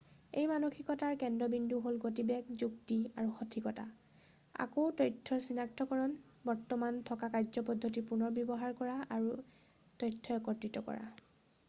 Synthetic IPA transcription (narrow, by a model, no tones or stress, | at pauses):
ejmanoxʰikɔtaɹkɛndɹɔbindʱuɦolɡotibɛkzuktiaɹuxɔtʰikɔta̰ | a̰kotɔjtʰːɔsinak̚tʰɔkɔɹɔn | bɔɹtɔmantʰɔkakaɹzɔpɔdʱːotipunɔɹbjɔbɔɦaɹkɔɹaaɹu | tɔjtʰːɔɔkɔɹtɹitɔkɔ̰ɹa̰